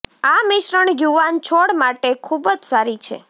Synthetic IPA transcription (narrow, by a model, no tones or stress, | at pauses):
amɪʃɾəɳjuʋant͡ʃʰoɽmaʈekʰubəd͡ʒsaɾit͡ʃʰḛ